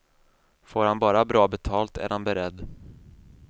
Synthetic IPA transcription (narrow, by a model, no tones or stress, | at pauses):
foːɾhanbɑːɾabɾɑːbɛt̪ʰɑːlt̪æ̰ɾhanbɛɾɛd̪ː